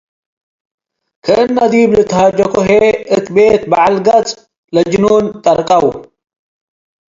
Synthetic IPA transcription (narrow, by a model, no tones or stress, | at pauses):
kʰənːɐd̪iːblɨt̪ʰɦad͡ʒɐkoɦeɨk̪beːt̪̚baalɡɐt͡sʼ | lɐd͡ʒɪnoːnt̪ʼɐɾkʼɐw